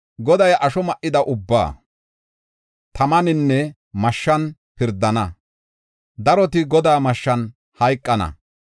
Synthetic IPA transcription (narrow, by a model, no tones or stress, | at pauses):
ɡɔd̪ɐjʔɐʃɔmɐʔːɪd̪ɐʔʊbːa̰ː | t̪ɐmɐnɪnːɛ | mɐʃːɐn | pɪɾd̪ːɐnɐ | d̪ɐɾɔt̪ɪɡɔd̪aːmɐʃːɐn | hɐjkʼːɐnɐ̰